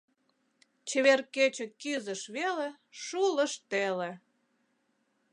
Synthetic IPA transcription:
t͡ɕeβerket͡ɕĕkyzəʃβele | ʃulə̆ʃt̪ele

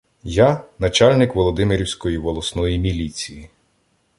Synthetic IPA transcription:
janɐt͡ʃalʲnɪkʋɔlˠɔd̪ɪmɪɾʲiwsʲkɔjiʋɔlˠɔsnɔjimʲilʲit͡sʲiji

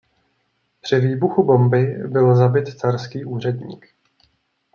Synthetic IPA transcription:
pr̝̥ɪviːbuxubo̞mbɪbɪlzabɪt̪t͡saɾskiːʔuːr̝ɛdɲḭːk

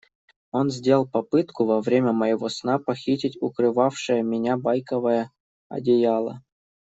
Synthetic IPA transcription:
onzʲdʲelˠpɐpɨt̪kuvɐvɾʲemʲəmɐjɪvosnapɐxʲitʲɪtʲukrɨvɑfʂɨjəmʲɪnʲabɑjkəvəjə | ɐ̰dʲejɑlˠə̰

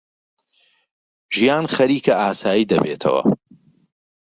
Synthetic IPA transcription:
ʒijaːnχɐɾiːkɐʔaːsaːjiːd̪ɐbeːt̪ʰɐ̰wɐ̰

